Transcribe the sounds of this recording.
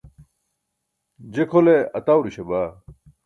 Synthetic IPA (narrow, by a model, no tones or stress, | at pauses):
d͡ʑekʰoleɐt̪awɾiɕebaː